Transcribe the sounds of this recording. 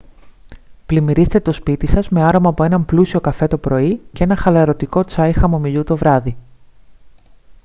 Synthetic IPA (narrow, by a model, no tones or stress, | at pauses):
plimiɾist̪et̪o̞spit̪isɐzme̞ɐɾo̞mɐːpo̞e̞nɐmplusio̞kɐfe̞t̪o̞pɾo̞icee̞nɐxɐlɐɾo̞t̪iko̞t͡sɐixɐmo̞miʎut̪o̞vɾɐði